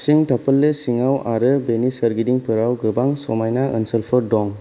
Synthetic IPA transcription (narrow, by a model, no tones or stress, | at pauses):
siŋtʰapɯlːesiŋawaɾɯbenisəɾɡidiŋpʰɯɾawɡɯbaŋsɔmajnaʔɯnsəlpʰɯɾdɔŋ